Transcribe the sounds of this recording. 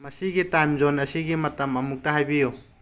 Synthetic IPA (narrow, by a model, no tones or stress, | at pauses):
mɐsiɡitajmzonɐsiɡimɐtɐmɐmuk̚tɐɦajbiju